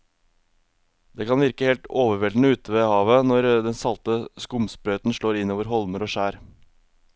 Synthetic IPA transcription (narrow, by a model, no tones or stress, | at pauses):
d̪̥eːkʰɑnʋɪɾkəheːlt̪oːʋəɾʋɛlnəʉːt̪əʋeːhɑːʋənɔɾd̪ɛnsɑlt̪əskʊmspɾœːt̪n̩ʃɭoːɾɪnoːʋəɾɦɔlməɾoːʃæːɾ